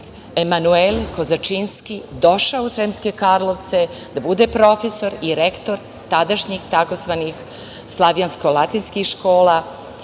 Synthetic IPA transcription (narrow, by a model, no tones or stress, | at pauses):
emanuelko̞zat͡ʃinskid̪o̞ʃaousɾemske̞kaɾlˠo̞ʋt̪sed̪̥abud̪e̞pɾo̞feso̞ɾiɾekt̪o̞ɾ | t̪ad̪aʃɲixt̪ako̞zʋanix | slˠaʋjanskolˠat̪inskixʃko̞ːla